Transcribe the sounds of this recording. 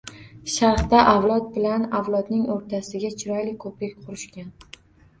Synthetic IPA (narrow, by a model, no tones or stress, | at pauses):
ʃaɾχt̪aʔavlˠɒt̪̚bɪlanavlˠɒd̪nɪŋoɾt̪ʰasɪɡʲat͡ʃʰɪɾɒjlɪkʰɵpɾak̚ʲqʰʊɾɪʃkʲan